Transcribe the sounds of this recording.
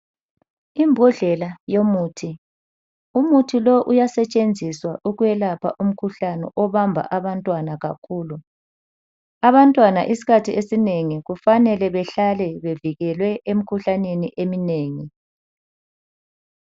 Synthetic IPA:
imbʱuɮɛlajomuːtʰi | umutʰiloʔujasɛt͡ʃʼend͡zʱiswaʔuɣujɛlapʰa̰ʔum̩kʰuɬanɛ̰ʔɔβambʱa̰ʔaβantʼwanaɣa̰kʰuːlu | aβantʼwanaʔisi̥kʰatʰiʔesineŋiɣufanɛlɛβɛɬalɛβeviɣɛlwɛʔem̩kʰuɬaneniʔemineːŋi

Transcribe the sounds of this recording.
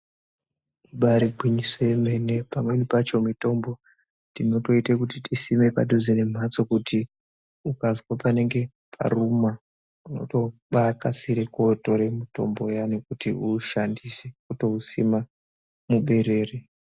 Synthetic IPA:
iɓaɾiɡʱwiɲisojeme̞ne̞pamwe̞nipat͡ʃo̞mito̞mbo̞ | tino̞to̞itekutitisime̞pa̰duzine̞m̤ʱat͡so̞kutʰi | ukazwapane̞ŋɡe̞ | pʰa̰ruma | uno̞̰to̞ɓakasiɾekoto̞ɾe̞mito̞̰mbo̞jane̞kutiuʃandisekuto̞usima | muɓe̞ɾe̞ːre

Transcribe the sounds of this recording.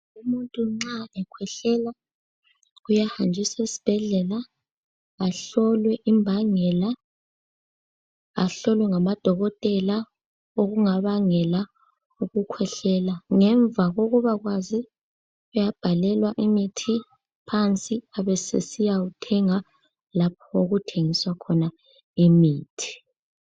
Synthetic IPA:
umuntʼuŋ͡ǁaɛkʰwɛɬɛla | ujahand͡ʒʱisaisi̥b̥ʱɛɮɛlaː | ɬɔlwɛʔimbʱaŋɛla | aɬɔlwɛŋamad̥ʱɔɣɔtʼɛla | oɣuŋaβaŋɛla | uɣukʰwɛɬɛlaŋɛɱbvaɣoɣuβaɣwazi | ɣɛjab̥ʱalɛlwaʔimitʰi | pʰant͡sʼiaβɛsḛsijautʰɛŋa | lap̚ʰɔoɣutʰeŋiswakʰɔna | imiːtʰi̥

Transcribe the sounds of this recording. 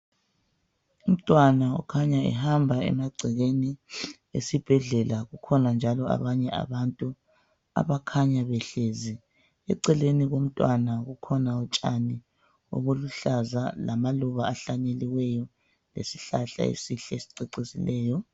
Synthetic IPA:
um̩tʼwanaɔ̰kʰaɲaɛ̰ɦambʱaɛ̰maɡ͡ǀʱiɣeni | ḛsib̥ʱɛɮɛlaɣukʰɔnand͡ʒʱalɔa̰βaɲɛa̰βantʼu | a̰βakʰaɲaβɛɬeːzi | ɛǀɛleniɣom̩tʼwanaɣukʰɔnaɔt͡ʃʼani | o̰βoluɬazalamaluβaaɬaɲeliwɛjɔ | lḛsiɬaɬa̰ḛsiɬɛesi̥ǀeǀisilɛːjɔ

